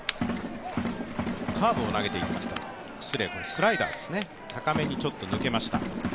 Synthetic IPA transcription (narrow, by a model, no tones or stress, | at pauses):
kʰaːbɯ̟o̞naɡe̞t̪e̞it̪ːakʲi̥t̪ḁ | sɨɾe̞bosɨɾaid̪a̰ːd̪e̞̥sɨne̞ | t̪ʰakame̞ɲ̟it͡ɕo̞t̪ːo̞nɯ̟ke̞maɕi̥t̪a̰